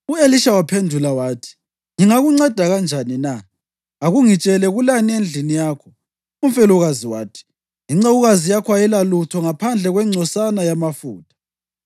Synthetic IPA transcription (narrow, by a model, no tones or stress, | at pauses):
ueliʃawapʰendʱulawaːtʰi̥ | ŋiŋaɣuŋ͡ǀad̥ʱaɣand͡ʒʱaninaː | ɣuŋit͡ʃʼɛlɛɣulaniend͡ɮʱinijaːkʰɔ | umfɛluɣaziwa̰ːtʰi̥ | iŋ͡ǀoɣuɣazijakʰwajɛlalutʰɔŋapʰand͡ɮʱɛɣwɛŋ͡ǀʱɔsanajamafṵːtʰḁ